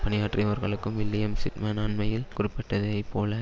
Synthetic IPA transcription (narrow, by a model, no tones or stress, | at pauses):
pɐnɪjaːʈriɐʋɐɾɣɐɭɯkːɯmʋɪlːɪjɐmsɪʈmɐːnaːnmɐjɪlkʊrɪpːɪʈːɐðɐɪpːoːlɐ